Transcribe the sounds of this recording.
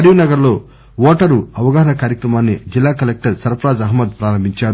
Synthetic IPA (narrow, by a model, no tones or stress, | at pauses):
ɐɾjunɐɡɐɾlo̞ː | ʋɔːʈɐɾuɐʋɐɡɐːɦɐnɐkaːɾjɐkɾɐmaːnːid͡ʒilːaːkɐlek̚ʈɐɾsɐɾpɾaːd͡ʒɐɦmːɐd̪̚pɾaːɾɐmbʱiɲt͡ʃaːɾu